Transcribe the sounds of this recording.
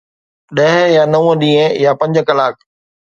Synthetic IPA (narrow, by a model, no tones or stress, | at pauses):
ɗɐɦjaːnɐũəɗĩːə̃jaːpɐ̃ɲd͡ʑkɐlaːk̚ʰ